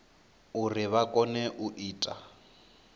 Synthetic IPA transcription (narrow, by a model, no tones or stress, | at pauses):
urɪβakʼɔnɛʔuʔiːtʼa̰